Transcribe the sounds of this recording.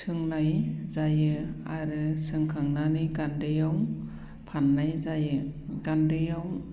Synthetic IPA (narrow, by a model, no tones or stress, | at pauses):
sʰɯŋlajzajɯaɾɯsɯŋkʰaŋnanɯjɡandɯjaw | pʰanːajzajɯɡandɯjaw